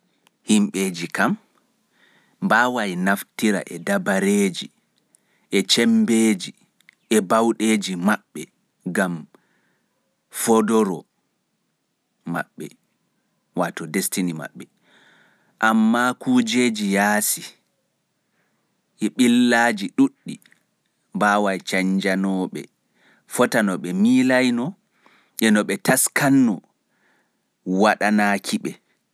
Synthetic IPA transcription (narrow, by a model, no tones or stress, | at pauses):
himɓeːd͡ʒikam | baːwajnaftiɾa̰ʔɛdabaɾeːd͡ʒi | ʔɛt͡ʃɛmbeːd͡ʒi | ɛbawɗeːd͡ʒimaɓːɛ | ɡam | fɔdɔɾɔ | ma̰ɓːɛ̰ | watɔdestinima̰ɓːɛ | ʔamːakud͡ʒed͡ʒijaːsi | ʔɛɓilːaːd͡ʒiɗuɗːi | baːwajt͡ʃaɲd͡ʒanɔɓɛ̰ | fɔtanɔɓɛmiːlajnɔ | ʔɛnɔɓɛtaskanːɔ | waɗanaːkʰiɓɛ